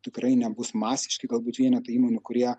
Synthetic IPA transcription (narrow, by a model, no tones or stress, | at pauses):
t̪ʲɪkɾɐɪnʲɛbʊsmɑːsʲɪ̥ʃʲkʲɪɡɐlˠbuːt̪ʋʲiɛnʲɛt̪ɐiːmoːnʲʊkʊɾʲiɛ